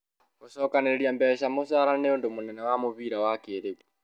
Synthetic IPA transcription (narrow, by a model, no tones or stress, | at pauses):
kuʃɔkaneɾiambɛʃamosaɾaneondomunɛnawamuβiɾawakeɾeβu